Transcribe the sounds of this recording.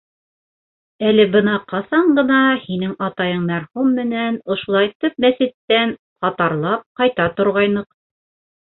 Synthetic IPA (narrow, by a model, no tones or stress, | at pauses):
ælɘbɤnɑqɑsɑɴɢɤ̆nɑhinɘŋɑt̪ɑjɤɴmæɾhumːɘ̆nænŏʃulˠɑjt̪ɵp̚mæsɘ̆t̪ːæn | qɑt̪ɑɾlˠɑp̚qɑjt̪ɑt̪ŏɾʁɑjnɤq̚